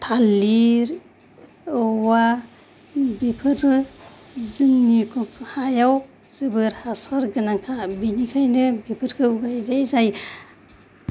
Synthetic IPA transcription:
t̪ʰaliɾ | ɔwa | bepʰɯɾɯ | zɯnːikʰɔphajaw | zɯbɯɾhasaɾɡɯnaŋkʰabinikʰajnɯbepʰɯɾkʰɯuɡajdajzaj

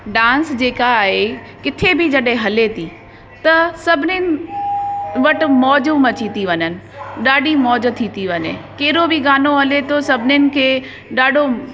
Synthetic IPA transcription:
ɖãːnsd͡ʑeːkaːɦe | kɪt̪ʰebʱɪd͡ʑɐɗɦɪ̃ɦɐlet̪ʰi | t̪ɐsɐbʱɪnɪnɪ̆ | ʋɐʈɪ̆mɔːd͡ʑomɐt͡ɕʰit̪iʋɐɲənɪ̆ɗaːɖimɔːd͡ʑ̆t̪ʰit̪iʋɐɲḛkɐɦɪɾobɪɡaːnoɦɐlet̪ʰosɐbʱɪnɪnɪ̆kʰeː | ɗaːɖʱo

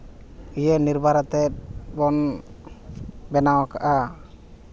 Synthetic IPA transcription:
ijəniɾbʱaɾat̪ɛt̪̚bɔn | bɛnawakaʔa

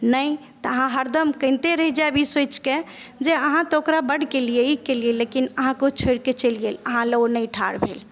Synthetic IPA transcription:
nəjt̪əəɦãɦəɾd̪əmkə̃nt̪eɾəɦid͡ʒabʱisot͡ʃked͡ʒeəɦãt̪ɔokɾabəɽkelieikelielekinəɦãkot͡ʃʰoɽket͡ʃəlɡeləɦãləonəjʈʰa̰ɽbʱḛl

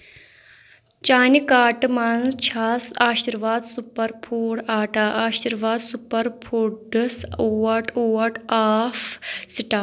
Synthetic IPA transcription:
t͡ʃaːnikaːʈɨmaːnst͡ʃʰaːsaːɕiɾʋaːd̪supɐɾpʰuːɽaːʈaʔaːɕiɾʋaːd̪supɐɾpʰuːʈɖɨsuwɐʈowɐʈaːfsiʈaː

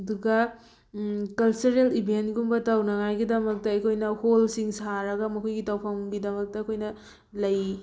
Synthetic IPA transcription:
duɡɐ | kɐlt͡ʃuɾelibʱentɡumbɐtɐwnɐŋajɡidɐmɐk̚tɐɐjkʰojnɐholsiŋsaɾɐɡɐmɐkʰojɡitɐwpʰɐwɡidɐmɐk̚tɐːkʰojnɐ | lɐj

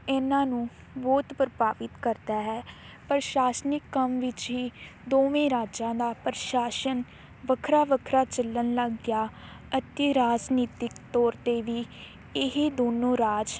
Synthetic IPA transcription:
ɪnãːnũː | bɔːt̪pəɾpaːʋɪt̪kəɾd̪aːɦɛː | pəɾʃaːsnɪkːəmʋɪt͡ʃɦiːd̪oːʋẽːɾaːd͡ʒãːd̪aːpɾʃaːsən | ʋəkʰɾaːʋəkʰɾaːt͡ʃələnləɡjaː | ət̪ɪɾaːd͡ʒniːt̪ɪkt̪ɔːɾt̪eːʋiː | ɪɦed̪oːnõːɾaːd͡ʒ

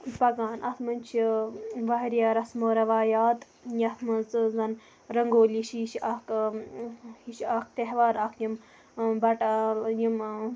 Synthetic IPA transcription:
pɐɡaːnʔɐ̰t̪ʰmɐnt͡ʃʰiʋaɦiɾijaːɾɐsmoːɾɐʋaːjaːt̪ | jiɐt̪ʰmɐnzzɐn | ɾɐŋɡoːliʃiʃɐk | hiʃak̚t̪eɦʋaːɾakʰjim | bɐʈajim

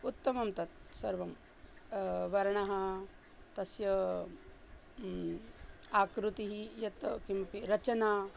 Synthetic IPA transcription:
ut̪ːɐmɐmt̪ɐt̪̚sɐɾʋɐm | ʋɐɾɐɳɐɦɐ | t̪ɐsjɐ | aːkɾut̪iɦijɐt̪kimpiɾɐt͡ʃɐnaː

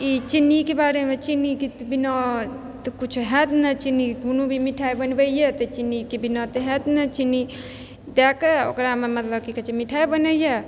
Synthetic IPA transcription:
it͡ʃinːikebaɾemet͡ʃinːikit̪binɔ | t̪kut͡ʃʰuɦɛt̪nət͡ʃinːiɡʱunubʱimiʈʰajbənbəijet̪ət͡ʃinːikebinɔt̪ɦɛt̪nət͡ʃinːi | d̪ɛkeo̰kɾamemət̪ləb̚kikət͡ʃʰimiʈʰajbənəjje

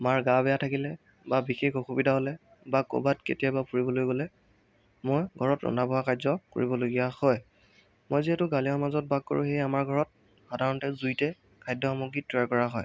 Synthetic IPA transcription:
maɹɡabɛjatʰakilɛ | babixekoxubidʱaɦɔlɛ | bako̰batkḛtijabapuɹibɔlojɡɔlɛ | mojɡʱɔɹɔtɔ̰nabɔɦakazɔko̰ɹibɔloɡijahɔj | mojziɦɛtʊɡaliɔmazɔt̚baɡ̚ko̰ɹṵxejamaɹɡʱɔɹɔt̚ | xadʱaɹɔntɛzujtɛ | kʰajdʱɔamuɡitɹaɹkɔɹaɦɔj

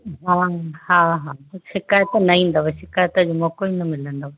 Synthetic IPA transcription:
ɦãːhãːɦãːʃɪkaːjət̪nɐĩːn̆d̪oʋɐʃɪkaːjət̪əd͡ʑoːmokoinɐmɪlə̃nd̪o

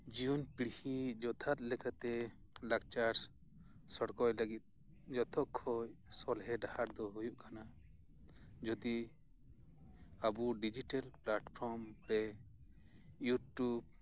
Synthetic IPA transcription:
d͡ʒiunpiɽhid͡ʒɔt̪ʰat̪̚lɛkat̪ɛ | lak̚t͡ʃaɾ | sɔɽkɔjləɡit̪̚ˀ | d͡ʒɔt̪ʰɔkʰːɔjsɔlɦɛɖahaɾd̪ɔɦujuʔkʰana | d͡ʒɔd̪i | abuɖid͡ʒiʈalplaʈpʰɔɾmpɽɛ | juʈub̚

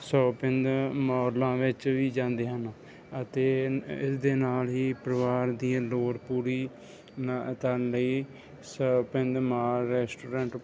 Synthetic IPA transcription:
sɔːpɪ̃nd̪mɔːɾlãːʋɪt͡ʃʋiːd͡ʒãːnd̪eːɦən | ət̪eːɪsd̪eːnaːlɦiːpɾəʋaːɾd̪iːãːloːɽpuːɾiː | nt̪ənləiː | səːpɪ̃nd̪maːɾɛːsʈoːɾẽːɳʈ

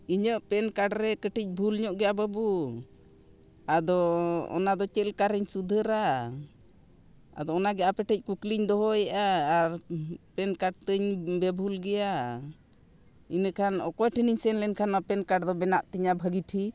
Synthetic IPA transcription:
iɲəʔpɛnkaɖɾɛkəʈic̚ˀbʱulɲɔʔɡɛjabəbu | ad̪ɔɔ̰nad̪ɔt͡ʃɛlkaɾəɲsud̪ʱəɾa | a̰d̪ɔɔnaɡɛʔapɛʈəc̚kukliɲd̪ɔɦɔjaʔaːɾpɛnkaɖ̚t̪əɲbɛbʱulɡɛja | inəkʰanɔkɔjʈʰiniɲsɛnlɛnkʰanapɛnkaɖd̪ɔbɛnaʔt̪iɲabʱəɡiʈʰi

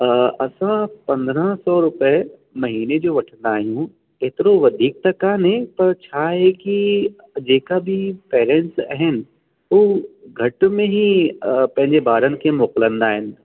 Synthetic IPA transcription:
ɐsãpɐ̃nd̪ɾãsɔːɾʊpə | mɐɦiːned͡ʒoʋɐʈʰnd̪aːɦjũː | et̪ɾoʋɐd̪ʱiːk̚t̪ɐkanẽpɐɾt͡ʃʰaːɦɛki | d͡ʒeːkabʱipeːɾẽɳʈsɐ̰ɦɪn | oːɡʱɐʈmẽɦipɐ̃ɦɪ̃ɲd͡ʒebaːɾənkemoːqlə̃nd̪aːɦɪn

